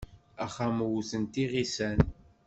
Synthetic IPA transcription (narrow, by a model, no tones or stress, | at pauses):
æχamwuθənt̪iʁisæn